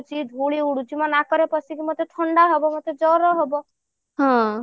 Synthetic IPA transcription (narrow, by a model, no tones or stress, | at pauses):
t͡ʃʰid̪ʱuɭiuɽut͡ʃimãnakɔɾepɔsikimot̪ʰet̪ʰɔɳɖaɦɔbɔmot̪ʰed͡ʒɔɾɔɦɔbɔ | ɦɔ̃